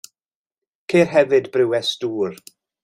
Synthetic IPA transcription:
kʰeːrɦɛvɨdbrɪwɛsduːr

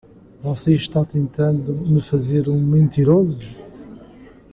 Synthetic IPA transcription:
vɔseʃt̪at̪ẽnt̪ɐ̃nd̪umɨfɐzeɾũmẽnt̪iɾozu

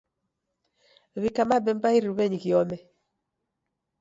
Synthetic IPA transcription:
βikamabɛmbaiɾiɾuβɛɲikiɔmɛ

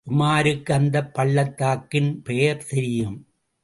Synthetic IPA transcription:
ʔʊmaːɾɯkːɯɐnd̪ɐpːɐɭːɐt̪ːaːkːɪnpejɐɾt̪ɛɾɪjɯm

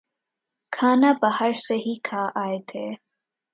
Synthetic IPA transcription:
kʰaːnabahəɾseɦikʰaːʔaːet̪ʰeː

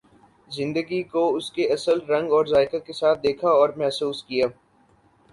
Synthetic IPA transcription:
zɪ̃nd̪əɡikoʊskeɐsəlɾɐ̃ŋɡɔːɾzaːɪkəkesaːt̪̚ʰd̪eːkʰaɔːɾmɛɦsuːskijaː

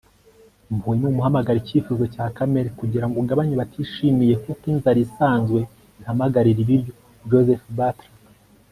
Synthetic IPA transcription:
mbuemuːmuhamaɡaɾicifuzocaːkame̞ɾekuɟiɾaŋɡoɡaβaɲeβatʰiʃimije̞kokiːnzaɾisaːnzɡwe̞ | ihamaɡaɾiɾiβiɾjo̞ | d͡ʒozefbatɾi

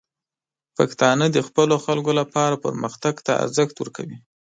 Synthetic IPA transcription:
pakt̪ɑnəd̪əxpəloxalkolapɑɾapə̰ɾməxt̪aɡt̪aa̰ɾzəxt̪wəɾkawi

